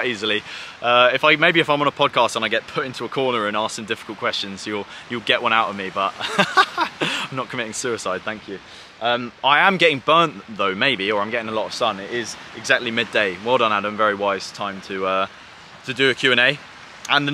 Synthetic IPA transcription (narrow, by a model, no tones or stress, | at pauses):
ʔiːzəliʌɪfaɪmeɪbiɨfãɪ̃mə̃nəpʰɒd̚kʰɑˑstə̃naɪɡɛʔpʰʊtɪ̃ntʰuəkʰɔːnəɹə̃nɑ̃ˑsɪ̃ŋdɪfɪ̥kəl̩ˠkʰw̥ɛst͡ʃə̃nz̥jəlˠjəlˠɡɛʔwʔʌ̃ɾ̃aʊtəvmibʌʔ | ãɪ̃mnəʔ̚kʰəmɪtɪ̃ŋsʉɪsaɪd̥̪̚θæ̃ŋkʰjʉ | ʔʌ̃maɪə̃mɡɛtɪ̃ŋbɜˑnʔðəʊmeɪbiəɹãɪ̃mɡɛtɪ̃ŋəlɒtəv̥sʌ̃nɪtɪzɪɡzak̚tˡlimɪdeɪwɛlˠdə̃nədãɪ̃ɱvɛɹiwaɪz̥tʰãɪ̃mtʰəʌ | tʰədəːkʰj̥ʉːɛ̃ñeɪ | ə̃nðə